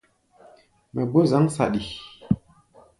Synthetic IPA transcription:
mɛ˨ɡ͡bo˦za˨˦ŋsa̰˨ɗi˨

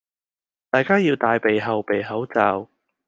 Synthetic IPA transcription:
t̪aː˨˩jkaː˥jiː˧wt̪aː˧jpe˨jɦɐ˨wpe˨jɦɐ˨˥wt͡saː˨˧w

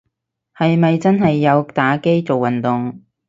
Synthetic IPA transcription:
hɐ˨jmɐ˨jt͡sɐ˥nɦɐ˨jːɐ˨˧wt̪aː˨˥ke˥jt͡so˨wːɐ˨nt̪ʊ˨ŋ

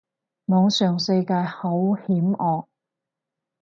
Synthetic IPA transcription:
mɔː˨˧ŋsœː˨ŋsɐ˧jkaː˧jho˨˥whiː˨˥mɔː˨˧k̚

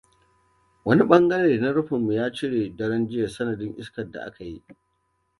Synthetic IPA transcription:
wɐ˦ni˦ɓɐ˦ŋɡɐ˦ɽeː˨na˦ɽʊ˦ɸɪ˨mːu˨jaː˦t͡ʃɪ˦ɽeː˨dɐ˦ɽɐ˦nd͡ʒɪ˦ja˨sɐ˦nɐ˨dɪ˦ŋʔɪ̰˦skɐ˨da̰˨ʔa̰˦ka˨ji˦ʔ

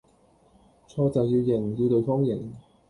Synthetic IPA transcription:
t͡sʰɔː˧t͡sɐ˨wjiː˧wjɪ˨˩ŋji˧wt̪ɵ˨ɥfɔː˥ŋjɪ˨˩ŋ

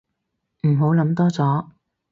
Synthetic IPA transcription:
m̩˨˩ɦo˨˥wlɐ˨˥mt̪ɔː˥t͡sɔː˨˥

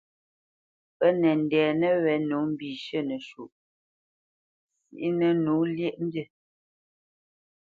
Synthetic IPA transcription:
pə˦nɛ˨n˨dɛː˨nə˦wɛ˨˦nu˨˦m̩˦bi˨ʃə˦˨nə˨ʃu˨ʔ | sḭ˦˨ʔi˦nə˨nu˨˦ljɛ˦ʔm̩˦bjə˦˨

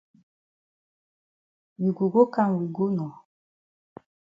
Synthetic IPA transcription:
wi˨ɡu˨ɡo˦ka˦˨ŋ˨wi˨ɡo˦nɔ˨

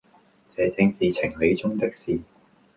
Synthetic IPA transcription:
t͡sɛː˨˩t͡sɪ˧ŋsiː˨t͡sʰɪ˨˩ŋle˨˧jt͡sʊ˥ŋt̪ɪ˥k̚siː˨

